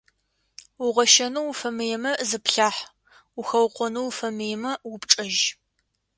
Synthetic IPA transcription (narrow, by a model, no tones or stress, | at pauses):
ʊʁɐʃɐnuwfɐmejɛmɐzɨpɬaːħ | uxɐwqʷɔnuwfɐmejɛmɐwʊpʈ͡ʂʼɐʒ